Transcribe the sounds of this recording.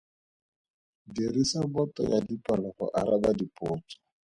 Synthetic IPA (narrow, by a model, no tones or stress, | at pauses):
dirisabɔtʼɔ̰jadipʼalɔχɔ̰ʔaɾabadipʼɔːt͡ʃʼɔ̥